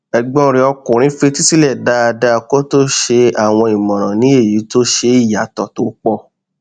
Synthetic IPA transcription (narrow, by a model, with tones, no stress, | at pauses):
ɛ˨ɡ͡bɔ̃˦˧ɾĩ˧˦ɔ˧kũ˨ɾ̃ĩ˨˦fe˧ti˦si˦lɛ˦˨da˦a˧da˦˧ko˦to˦ʃe˧a˦˨w̃ɔ̃˧i˨mɔ̃˨ɾ̃ã˨nĩ˨˦e˦˨ji˨˦to˦ʃe˧i˦˨ja˨˦tɔ˨to˨˦k͡pɔ˧